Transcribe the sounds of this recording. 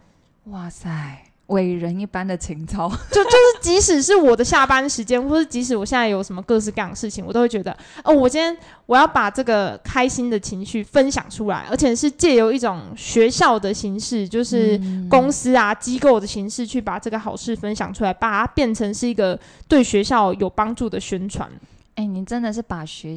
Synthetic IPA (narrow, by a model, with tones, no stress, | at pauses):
wa˥˩sa˥˩ɪ | we˨˩ɪɻə˧˦ni˥˩pa˦nd̪ə˨t͡ɕʰi˧˥ŋt͡sʰɑ˥˩ʊt͡ɕjo˥˧ʊt͡ɕjo˥˧ʊʂɻ̩˥˩t͡ɕi˧˥ʂɻ̩˨˩ʂɻ̩˥˩wɔ˨˩d̪ə˦ɕja˥˩pa˥nd̪ə˨˩ʂɻ̩˧˥t͡ɕjɛ˥nxwɔ˥˧ʂɻ̩˥˩t͡ɕi˧˥ʂ̬ɻ̩˧˥wɔ˨˩ɕjɛ˥˧nt͡sa˥˩jo˧˩ʊʂə˧˥mə˧kɤ˥˧ʂ̬̩˥˧ka˥˩jɑ˨˩ŋə˩ʂɻ̩˥˩t͡ɕʰi˨˩ŋwɔ˨˩o˥ʊwe˥˩t͡ɕɥɛ˧d̪ə˧ | ʔo˥˩wɔ˨˩ɕɛ˥˩nʰjɛ˥n | wɔ˨˩jɑ˥˩ʊpa˨˩ʈ͡ʂɤ˥˩ɡə˩kʰa˥ɪɕi˥nd̪ə˨t͡ɕʰi˧˥ŋɕy˥˩fə˦nɕjɑ̰˨˩ŋʈ͡ʂʰu˥la̰˧˥ɪʔə̰˞˧˥t͡ɕʰjɛ˨˩ʂɻ̩˥˧t͡ɕjɛ˥˩jo˧˥ʊi˥˩ʈ͡ʂo˨˩ŋɕɥɛ˧˥ɕjɑ˥˩ʊd̪ə˩ɕi˧˥ŋʂɻ̩˥˧t͡ɕjo˥˧ʊʂɻ̩˥˩kʊ˥ŋs̩˥a˧t͡ɕi˦˥ko˥˩ʊd̪ə˩ɕi˧˥ŋʂɻ̩˥˧t͡ɕʰy˥˩pa˨˩ʈ͡ʂɤ˥˩ɡə˩xɑ˨˩ʊʂɻ̩˥˧fə˦˥nɕjɑ̰˨˩ŋʈ͡ʂʰu˥la˧˥ɪpa˨˩a˥pjɛ˥˩nʈ͡ʂʰə˧˥ŋʂɻ̩˥˩i˧˥ɡə˨ | t̪we˥˩ɪɕɥɛ˧˥ɕjɑ˥˩ʊjo˨˩ʊpɑ˥ŋʈ͡ʂu˥˩d̪ə˩ɕɥɛ˥nʈ͡ʂʰwa̰˧˥n | e˥˩ɪni˧˥nʈ͡ʂə˦˥nd̪ə˨ʂɻ̩˥˩pa˨˩ɕɛ˧˥